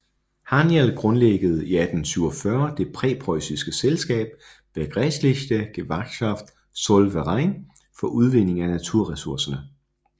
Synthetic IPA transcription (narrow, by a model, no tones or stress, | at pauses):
hɑnjelɡ̥ʁɔ̽nleɡ̥əð̞̩ˠiæd̥n̩syʊɒfɶɐd̥e̝pʰʁɛ̰ːpʰʁɒɪsisɡ̥əselsɡ̥ɛ̰ːb̥̚ | ʋeɡ̥ʁɛsleɕd̥əɡ̥eʋɑɡ̥kʰɑ̈fd̥ | sɔlʋəʁɑ̈ɪ̰n | fɒ̽ʔuð̞ˠʋe̝ne̝ŋænæt͡sʰuɐ̰ʁɛsuɐsɐnə